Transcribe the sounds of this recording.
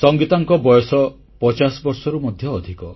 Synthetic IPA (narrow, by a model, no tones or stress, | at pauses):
sɔŋɡit̪aŋkɔbɔjɔsɔ | pɔt͡ʃasɔbɔɾsɔɾumɔd̪ʱjɔːd̪ʱikɔ